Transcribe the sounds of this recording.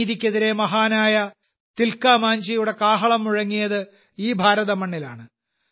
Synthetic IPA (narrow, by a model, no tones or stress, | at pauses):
ðikʲːɐðiɾe̞mɐɦaːnaːjɐ | t̪ilkaːmaːɲd͡ʑɐjuɽe̞kaːɦɐɭɐmːuɻɐŋːijɐðɨ | iːbʱaːɾɐðɐmɐɳːila̰ːɳɨ